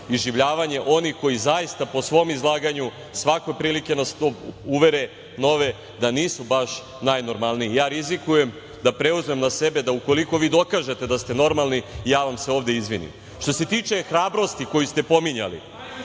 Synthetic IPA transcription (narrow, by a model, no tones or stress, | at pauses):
izʒiʋʎaːʋaɲe̞ʔo̞nixko̞jizajist̪apo̞sʋo̞mizlˠaːɡaɲu | sʋako̞jpɾiːlike̞nast̪ouʋe̞ɾe̞ | no̞ʋe̞ | d̪aniːsubaʃ | najno̞ɾmalˠniijaːɾizikuje̞m | d̪apɾe̞uzme̞mnase̞be̞d̪auko̞liko̞ʋiːd̪o̞kaːʒet̪e̞d̪ast̪e̞no̞ɾmalˠniːjaːʋamse̞o̞ːʋd̪e̞izʋḭnḭm | ʃt̪o̞se̞t̪iːt͡ʃe̞xɾaːbɾo̞st̪iko̞jist̪e̞po̞miɲa̰lḭ